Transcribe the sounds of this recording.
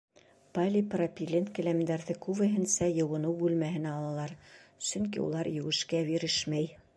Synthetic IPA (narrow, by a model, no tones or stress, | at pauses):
palʲipropʲilʲenkɘ̆læmd̪æɾðɘkuvɘ̆ɦɘ̆nsæjɤ̆wɤ̆nɤwbʉlmæɦɘ̆næɑlˠɑlˠɑɾsɵ̆ŋk̬ḭṵlˠɑɾjɘ̆wɘ̆ʃkæbiɾɘʃmæj